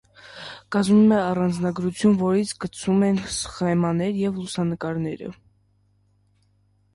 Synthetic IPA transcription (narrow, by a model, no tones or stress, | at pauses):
ɡ̥ɑzmumɛɑrɑnd͡znɑɡɾut͡sʰjunvɔɾit͡sʰɡət͡sʰumɛnsχɛmɑnɛɾjɛvlusɑnəkɑɾnɛɾə̰